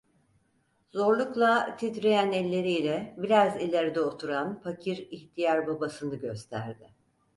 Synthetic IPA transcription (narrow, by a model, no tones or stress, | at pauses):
zo̞ɾlˠuklˠat̪ʰit̪ɾejænɛlʲːe̞ɾijlʲɛbiɾazilʲeɾd̪ɛot̪ʰuɾanfacʰiɾiçt̪ʰijaɾbabasɯnɯɟøst̪ʰæ̰ɾd̪ɪ